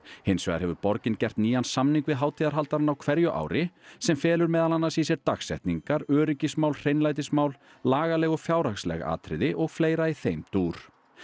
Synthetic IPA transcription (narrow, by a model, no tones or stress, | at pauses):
hejnsvɛ̰ɣðaɾhɛvʏɾpɔɾcɪncɛr̥t̪niːansamniŋkvɪðɦaːwt̪ʰiðaɾ̥ɦalt̪aɾanawkʰvɛɾjʏʔa̰ːwɾɪsɛmfɛːlʏɾmɛːðalanːasisɛɾt̪axsɛ̰ht̪niŋkaɾœːɾʏcɪsmawlr̥ejnlaːjt̪̬ɪsmaːwl | laːɣalɛɣɔfjaːwɾaxslɛ̰ɣa̰ːt̪ʰɾɪ̰ðɪʔɔɣfleːjɾaiθejmt̪uːɾ̥